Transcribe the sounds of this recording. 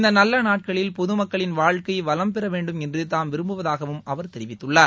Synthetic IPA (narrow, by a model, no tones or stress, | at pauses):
ɪnd̪ɐnɐlːɐnaːʈ̚kɐɭɪlpɔðɯmɐkːɐɭɪnʋaːɻkɐɪʋɐlɐmpɛɾɐʋeːɳɖɯmɛndrɯt̪aːmʋɪɾɯmbɯʋɐðaːɣɐʋɯmɐʋɐɾt̪ɛɾɪʋɪt̪ːɯɭːaːɾ